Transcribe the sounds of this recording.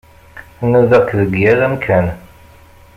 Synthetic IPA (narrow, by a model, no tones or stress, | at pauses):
nəðəkðəɡjæɾæmkʰæn